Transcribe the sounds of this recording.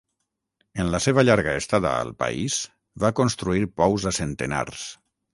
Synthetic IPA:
ənləseβəʎaɾɣəest̪aðə̰ə̰lˠpa̰iz | βakonst̪ɾuiɾpɔwzəsent̪əna̰ɾs

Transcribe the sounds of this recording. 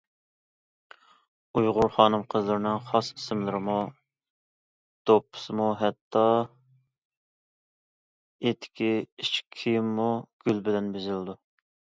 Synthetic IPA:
ujʁʊɾχɑːnɨmqʰəzlˠɨɾɪnɪŋχɑsi̥sɪmlɪɾɪmu | d̪̥opʰːɨ̥sɨmuɦɛt̪ʰːɑ | et̪ʰːɪ̥kʲʰiit͡ʃkʲʰːijmːuɡ̥ʲylbɪlɛnbezɪlɪd̪u

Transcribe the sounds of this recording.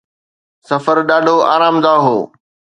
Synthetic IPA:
sɐfəɾɗaːɖʱoa̰ːɾaːmd̪aːɦoː

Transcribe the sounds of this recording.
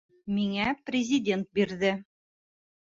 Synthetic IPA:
miŋæprʲɪzʲɪdʲe̞nt̪̚biɾðɘ

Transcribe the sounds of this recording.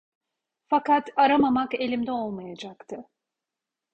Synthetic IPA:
fakat̪aɾamamake̞lʲimd̪ɛo̞lˠmajad͡ʒakt̪ʰɯ

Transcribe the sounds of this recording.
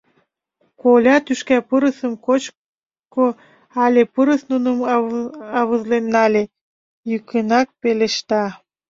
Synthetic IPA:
kolʲɑt̪yʃkæpəɾəsəmkot͡ɕ | ko | ɑlʲepəɾəsnunəm | ɑβəzlenːɑlʲe | jykənɑk̚peleʃt̪ɑ

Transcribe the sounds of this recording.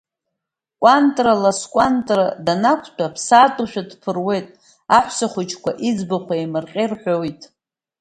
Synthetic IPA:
kʷʼantʼralaskʷʼantʼradanakʷʰtʷʰʼapʰsatʼuʃᶣadpʰɨrwe̞jtʼ | aħʷsaχʷʊt͡ʃʰkʷʰaʔid͡zbaχʷʰaimɨrqʲʼerħʷᶣojtʼ

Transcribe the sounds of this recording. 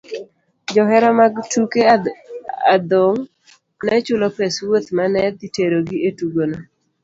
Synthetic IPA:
d͡ʒɔɦɛɾɔmaɡtuke | ad̪oŋ | nɛt͡ʃʊlopeswot̪manɛd̪iteɾoɡiʔetuɡona

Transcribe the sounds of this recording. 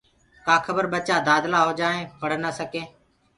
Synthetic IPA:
kaːkʰəbəɾɓət͡ʃaːd̪aːd̪laːɦoːd͡ʒaːẽːpəɽ̤nəsəkẽː

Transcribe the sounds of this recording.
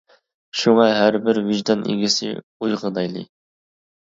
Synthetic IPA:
ʃuŋɑɦæɾbɪɾviʒd̪ɑnʔḭɡʲɪsɪ̰ | ujʁəd̪ɑjlˠɨ̰

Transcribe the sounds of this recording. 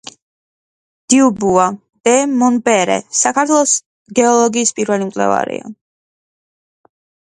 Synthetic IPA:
d̪̥iubua | d̪̥ɛmɔnbɛɾɛ̰sakʰaɾt̪ʰwɛlˠɔs | ɡɛɔlˠɔɡiːspʼiɾvɛlimkʼlɛ̰va̰ɾḭa̰

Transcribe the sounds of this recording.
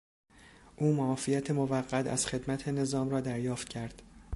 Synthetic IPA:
ʔuːmɔːfijæt̪ʰemovæɢːæt̪ʰæ̰z̥χe̞d̪mæt̪ʰene̞zɒːmrɒːd̪æɾjɒːft̪̚cʰæɾd̪̥

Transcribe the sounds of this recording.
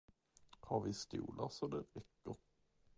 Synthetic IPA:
haɾvɪst̪ṵːlʔasɔd̪ɛɾɛkːəɾ

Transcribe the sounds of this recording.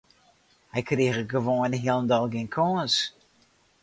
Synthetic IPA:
hɛjkriːɣəɡəʋoːənɦiəlˠndɔlˠɡɪnkʰɔːns

